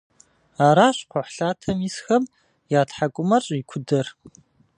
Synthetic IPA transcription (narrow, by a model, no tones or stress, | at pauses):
aːɾaːɕqʷɔħɬaːtʰɐmisxɐm | jaːtħakʷʼʊmɐrɕʼikʷʰʊdɐr